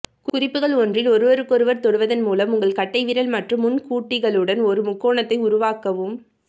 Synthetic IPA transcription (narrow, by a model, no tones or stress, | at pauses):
kʊʊrɪpːɯɣɐɭɔndrɪlɔɾɯʋɐɾɯkːɔɾɯʋɐɾt̪ɔɽɯʋɐðɐnmuːlɐmʊŋɡɐɭkɐʈːɐɪʋɪɾɐlmɐʈrɯmːʊnkuːʈːɪɣɐɭɯɽɐnɔɾɯmʊkːoːɳɐt̪ːɐɪʊɾʊʋaːkɐʋɯm